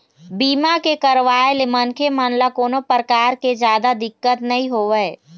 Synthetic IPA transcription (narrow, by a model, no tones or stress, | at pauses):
biːmakekəɾʋaːelemɐnkʰemaːnlakoːnopɾəkaːɾked͡ʒjaːd̪ad̪ɪkːət̪nɐɦĩɦoːʋəe